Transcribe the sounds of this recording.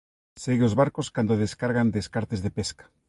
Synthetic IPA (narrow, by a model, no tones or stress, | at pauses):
seɣeozβaɾkoskand̪oð̞eskaɾɣand̪eskaɾt̪ezðepeskḁ